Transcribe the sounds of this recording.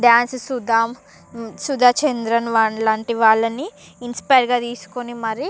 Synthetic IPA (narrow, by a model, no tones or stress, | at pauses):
ɖaːnssud̪aːm | sud̪ʱaːt͡ʃend̪ɾɐnʋalaːɳʈiʋaːɭːɐniː | nspɐjɾɡaːt̪iːsu̥konimɐɾi